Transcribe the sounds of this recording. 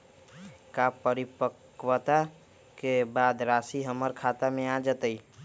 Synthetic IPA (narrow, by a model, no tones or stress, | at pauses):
kapəɾipək | wət̪a | kebad̪ɾasiɦəmːəɾkʰat̪amead͡ʒət̪əj